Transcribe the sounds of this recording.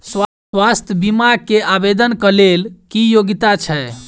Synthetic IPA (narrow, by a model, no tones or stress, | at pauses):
sw | wast̪ʰjəbimakeabed̪ənkəlelkijoɡit̪at͡ʃʰɛ